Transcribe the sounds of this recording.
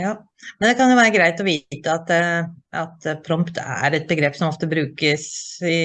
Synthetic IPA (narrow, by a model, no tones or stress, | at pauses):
jɑː | mɛnd̪ɛkɑnjʊʋæːɾəɡɾæɪt̪ɔʋiːt̪əɑt̪ | ɑ̰t̪pʰɾɔmpt̪ʰææ̰ɾɛt̪̚bəɡɾeːpːsɔmɔft̪əbɾʉːkəsɪ